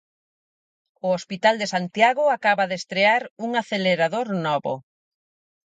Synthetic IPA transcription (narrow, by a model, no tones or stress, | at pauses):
ʊospit̪ald̪esant̪jaɣʊakaβaðest̪ɾeaɾuŋaθeleɾaðoɾnɔβo̰